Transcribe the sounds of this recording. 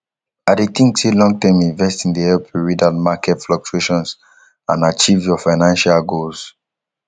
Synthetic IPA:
adetĩŋselɔ̃ŋɡ̚tãmĩɱvɛstĩndeɛlpʰɹidalmakɛtflɔk̚t͡ʃueʃɔ̃ns | ãnat͡ʃivjɔfaɪnãnʃalɡols

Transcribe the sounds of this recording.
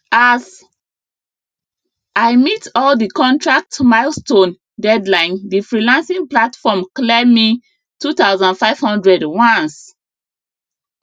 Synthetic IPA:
az | aɪmitɔldikɔ̃ntʰɹak̚tmaɪlstõn | dɛdlãɪ̃ndifɹilãnsĩŋplatfɔmklɛmi | tutaʊzãndfaɪv̥hɔ̃ndɹɛdwaɔ̃ns

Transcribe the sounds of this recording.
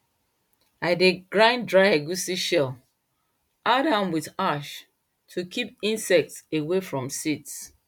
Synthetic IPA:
aɪdeɡɹãɪ̃ndɹaɪaɡusiʃɛl | ʔadãmwiðaʃ | tʰukʰip̚ĩnsɛk̚tsewefɹɔ̃msits

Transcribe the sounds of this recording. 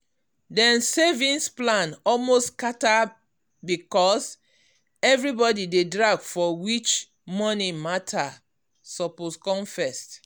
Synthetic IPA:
dɛ̃nsevĩnsplãnɔlmostkata | bikɔs | ɛvɹibɔdidedɹaɡfɔwit͡ʃ | mɔnimatʰa | sɔposkɔ̃mfɛst

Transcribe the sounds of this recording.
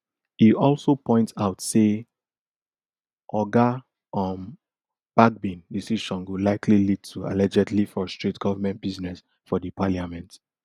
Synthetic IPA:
hiʔɔlsopʰɔ̃ɪ̃ntsaʊtse | ʔɔɡa | ɔm | b̥ak̚bĩndisiʃɔ̃nɡulaɪkʰlilid̚tʰua̰lɛd͡ʒɛdlifɔstɹitɡ̥ɔvamɛ̃nt̚biznɛs | fɔdipʰaliamɛ̃nt

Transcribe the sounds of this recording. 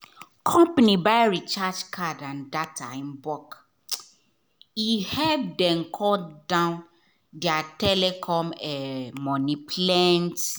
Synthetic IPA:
kʰɔ̃mpanibaɪɹit͡ʃad͡ʒkʰadãndatʰa̰ĩnbɔk | ihɛbdɛ̃nkʰɔldãʊ̃n | dɪatɛlɛkʰɔ̃mɛmɔ̃nipʰlɛ̃nt

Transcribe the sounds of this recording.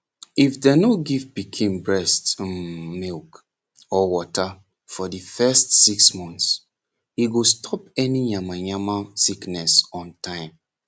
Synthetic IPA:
ifdɛnoɡivpikʰĩnbɹɛstmilk | ɔwɔta | fɔdifɛstsiksmɔ̃nθs | iɡostʰɔpɛnĩjamajamasiknɛsɔ̃ntʰãɪ̃m

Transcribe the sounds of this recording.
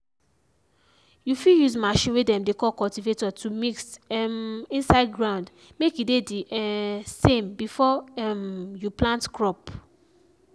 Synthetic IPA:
jufiljuzmaʃĩnwedɛ̃mdekɔkɔltivetɔtʰumiksmĩnsaɪd̚ɡɹãʊ̃nd | mekjidedi | sẽmbifɔmjuplãntkɹɔp

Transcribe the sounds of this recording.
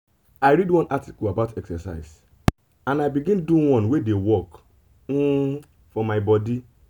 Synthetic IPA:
aɪɾidwɔ̃nʔati̥kɔlabatɛksɛsa̰ɪs | ãnaɪbiɡĩnduwɔ̃nwedewɔk̩ | fɔmaɪbɔdi

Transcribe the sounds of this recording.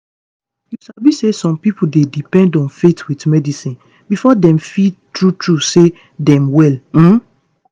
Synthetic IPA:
jusabisesɔ̃mpipudedipɛ̃ndɔ̃nfetwitmɛdisĩn | bifɔdɛ̃mfitɹutɹuse | dɛ̃mwɛlm̩

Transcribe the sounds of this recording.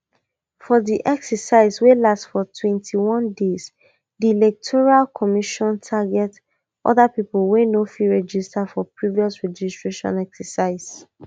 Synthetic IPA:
fɔðiʔɛksəsaɪzwelastfɔtʰwɛ̃ntʰiwɔ̃ndez | dilɛk̚tʰɔɹalkʰɔmiʃɔ̃ntʰaɡɛt | ʔɔ̰ðapiplwenofiɹɛd͡ʒistafɔpɹiviɔsɹɛd͡ʒistɹeʃɔ̰̃nɛksəsaɪz

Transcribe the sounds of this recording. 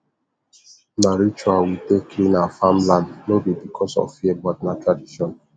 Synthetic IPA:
naɾit͡ʃuawitekʰinafamladnobibikʰɔsɔ̰vfiɛɡ͡bat̚natɾadiʃɔn

